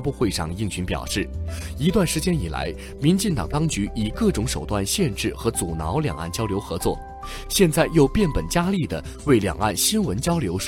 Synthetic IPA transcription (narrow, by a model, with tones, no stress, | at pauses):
pu˥˧xwe˥˧ɪʂɑ̰˥˧ŋi˥˩ŋɕʰy˧˥npjɑ̰˨˩ʊʂɻ̩˥˩i˧˥t̪wa˥˩nʂɻ̩˧˥t͡ɕjɛ˥ni˨˩la̰˧˥ɪ | mi˧˥nt͡ɕi˥˩ŋt̪ɑ̰˨˩ŋt̪ɑ˥ŋt͡ɕy˧˥i˨˩kɤ˥˩ʈ͡ʂʊ˧˥ŋʂo˨˩ʊt̪wa˥˧nɕjɛ˥˧nʈ͡ʂɻ̩˥˩xɤ˧˥t͡su˨˩nɑ̰˧˥ʊljɑ̰˨˩ŋa̰˥˩nt͡ɕjɑ˥ʊljo˧˥xɤ˧˥t͡swɔ̰˥˩ | ɕjɛ˥˧nt͡sa˥˧ɪjo˥˧ʊpjɛ˥˩npə˨˩nt͡ɕja˥li˥˩d̪ə˩ | we˥˩ɪljɑ̰˨˩ŋa̰˥˩nɕi˥nwə˧˥nt͡ɕjɑ˥ʊljo˧˥ʊʂ